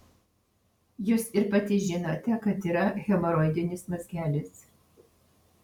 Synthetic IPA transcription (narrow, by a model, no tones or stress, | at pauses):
jʊːsɪɾpɐt̪ʲɪʒʲɪnot̪ʲɛkɐt̪iːɾɐɣʲɛmɔɾɔɪd̪ʲɪnʲɪsmɐzʲɡʲæːlʲɪs